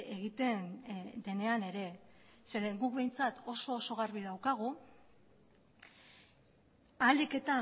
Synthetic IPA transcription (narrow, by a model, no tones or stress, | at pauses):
eɣit̪e̞nd̪e̞ne̞ane̞ɾe̞seɾeɡuk̚βe̞jnt͡sat̪o̞so̞ːso̞ɣ̞arβiðawkaɣ̞u | ald̪ike̞t̪a